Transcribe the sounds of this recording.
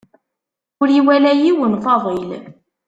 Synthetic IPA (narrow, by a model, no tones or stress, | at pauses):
ʊɾiwælæjiwənfɑðˤil